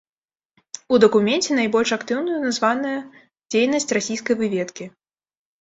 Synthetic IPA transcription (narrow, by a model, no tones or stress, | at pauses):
ud̪ɐkumʲɛnt͡sʲɛnajbɔlʲʂakt̪ɨwnujunazvanɐjɐ | d͡zʲejnɐsʲt͡sʲrasʲijskɐjvɨvʲɛt̪kʲi